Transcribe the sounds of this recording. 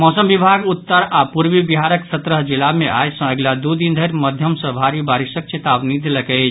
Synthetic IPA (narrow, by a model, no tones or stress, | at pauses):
mɔsəmbibʱaɡut̪ːəɾapuɾʋibiɦaɾəksət̪ɾəɦd͡ʒilameʔa̰jsə̃eɡlad̪ud̪ind̪ʱəɾməd̪ʱjəmsə̃bʱaɾibaɾisək̚t͡ʃet̪abnid̪ʱeləkɛt͡ʃʰ